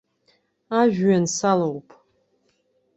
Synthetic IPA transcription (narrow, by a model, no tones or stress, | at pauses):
aʒᶣɥansalowpʼ